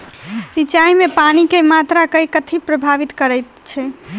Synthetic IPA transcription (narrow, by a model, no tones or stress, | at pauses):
sit͡ʃaimepanikemat̪ɾakəjkət̪ʰipɾəbʱaʋit̪kəɾəjt̪t͡ʃʰɛ